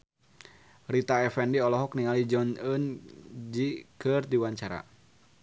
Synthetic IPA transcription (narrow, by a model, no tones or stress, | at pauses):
rit̪aɛfɛndiɔlɔɦɔk̚niŋalid͡ʒɔnənd͡ʒikɨrdiwaɲt͡ʃaɾa̰